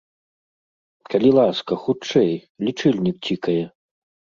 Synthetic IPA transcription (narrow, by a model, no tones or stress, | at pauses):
kɐlʲilˠaskɐxut͡ʂɛj | lʲit͡ʂɨlʲnʲik̚t͡sʲikɐjɛ